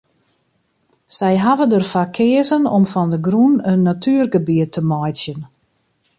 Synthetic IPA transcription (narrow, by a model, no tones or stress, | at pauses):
sɛjɦavədərfakʰɪəzənɔmfɔndəɡrunənːatʰyːərɡəbiətʰəmɔjtsjən